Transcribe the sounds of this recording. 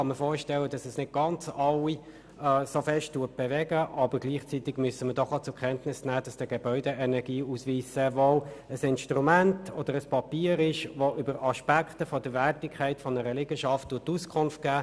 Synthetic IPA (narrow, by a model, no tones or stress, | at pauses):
ɑnməfoːɾʃtɛlːəd̥ɑsɛsnɪt̚ɡ̥ɑnt͡sɑwi | ɛsofɛʃttːuət̚b̥ɛvɛɡəʔɑbəɾɡliːχt͡sitɪɡmysəmədɔχat͡sʊkʰɛntnɪsnæːd̥ɑsd̥əɡ̥ɛb̥œʏdɛʔɛnɛɡ̥iːusʋiːsəʋoəsɪnʃtʁumæntɔd̥əɾəspɑpiːɾɪʃʋoʔybəɾɑʃpæktəfɔdəʋærtɪkʰːæɪtfɔnəɾəlɪɡəʃɑfttːuːətːuskʰʊnft̚ɡ̥æː